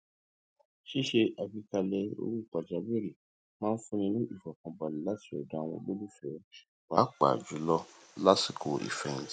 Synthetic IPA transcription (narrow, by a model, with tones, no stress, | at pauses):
ʃi˦ʃe˧ʔa˧bi˧ka˧lɛ˧o̰˧ɾu˦i˦˨k͡pa˨d͡ʒa˨˦be˦ɾi˨ | mãː˦n̩˦fũ˦nĩ˧nũ˦ʔi˦˨fɔ˨kɔ̃˨ba˨lĩ˨˦la˦ti˨ɛ̰˨da˨˦˧w̃ɔ̰̃˧bo˦lu˦˨fɛ˨˦ | ba˨˦k͡pa̰˨d͡ʒu˨˦lɔ˦la˦si˨kʰo˨ḭ˨fɛ̃˧˨n˨t